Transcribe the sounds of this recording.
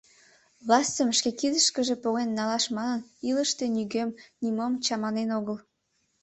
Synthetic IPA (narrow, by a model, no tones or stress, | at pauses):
vlɑst̪əmʃkekid̪əʃkəʒepoɣenːɑlɑʃmɑnəniləʃt̪e̽nyɣømnimomt͡ɕɑmɑnenoɣəl